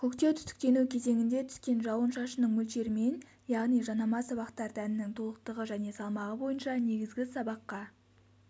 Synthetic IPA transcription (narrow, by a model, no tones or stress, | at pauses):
kʲʰɵkt̪e̞wt̪ʰʏst̪ɪ̥k̚t̪e̞nukʲʰe̞ze̞ŋʲɪnd̪e̞t̪ʰʏ̥skʲe̞nʒɑwənʃɑʃənəɴmɵlʃe̞ɾɪme̞n | jɑʁnijʒɑnɑmɑsɑβɑqt̪ɑɾd̪ænɪnɪŋt̪ʰo̞lˠəq̚t̪əʁəʒæne̞sɑlˠmɑʁəbo̞jənʃɑne̞ɡʲɪzɡʲɪsɑbɑqːɑ